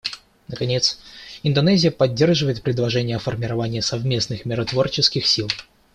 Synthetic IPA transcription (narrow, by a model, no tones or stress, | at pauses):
nəkɐnʲe̞t̪sɪnd̪ɐnɛzʲɪjəpɐdʲːerʐɨvəɪt̪̚pɾʲɪd̪lˠɐʐɛnʲɪjəɐfərmʲɪɾɐvanʲɪjəsɐvmʲe̞snɨxmʲɪɾɐt̪vo̞rt͡ɕɪskʲɪxsʲilˠ